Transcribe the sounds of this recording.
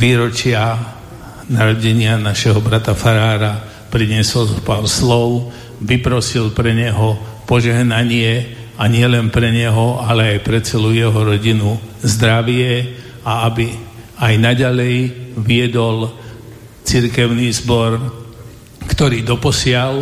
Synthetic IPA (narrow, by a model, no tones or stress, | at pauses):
ʋiːɾɔt͡ʃɪa | naɾɔɟɛɲɪanaʃɛɦɔbɾat̪afaɾaːɾa | pɾiɲɪɛsɔlpaʊslɔʊ | ʋipɾɔsilpɾɛɲɛɦɔpɔʒɛɦnaɲɪɛ | aɲɪɛlɛnpɾɛɲɛɦɔalɛajpɾɛt͡sɛlujɛɦɔɾɔɟinuzd̪ɾaʋɪɛ | aabi | ajnaɟalɛjʋiɛd̪ɔl | t͡siɾkɛʊniːzbɔɾ | kt̪ɔɾiːd̪ɔpɔsɪal